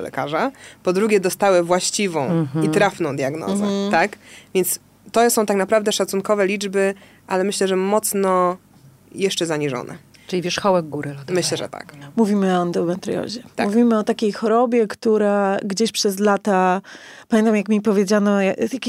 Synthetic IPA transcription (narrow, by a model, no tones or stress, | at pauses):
lɛ̰kaʐapɔd̪ɾuɡʲjɛd̪ɔst̪awɛvwaɕt͡ɕivɔ̃w̃it̪ɾafnɔ̃w̃d̪jaɡnɔ̰zɛ̰t̪akvʲjɛnt̪s | t̪ɔsɔ̃w̃t̪aknapɾavd̪ɛʂat̪sunkɔvɛlʲid͡ʐbɘ | ʔalɛmɘɕlɛʐɛmɔt̪snɔ | jɛʂt͡ʂɛzaɲiʐɔ̰nʔɛ̰ | ʈ͡ʂɨlivʲɛʂxɔwɛɡɡuɾɨlt̪mɘɕlɛʐɛ̰t̪a̰kmuvʲimɘɔand̪ɔbɛnt̪ɾɨ̰jɔ̰ʑɛamuvʲimɘɔt̪akʲejxɔɾɔbʲjɛkt̪uɾaɡd͡ʑeɕpʂɛzlat̪apamʲẽɛnt̪amjakmʲipɔvʲjed͡ʑanɔjajakʲ